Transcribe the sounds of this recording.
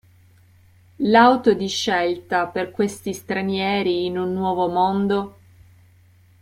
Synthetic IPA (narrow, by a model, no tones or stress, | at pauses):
lawt̪od̪iʃːelt̪aperkwest̪ist̪ɾanjɛːɾiːnunːwɔːvomond̪o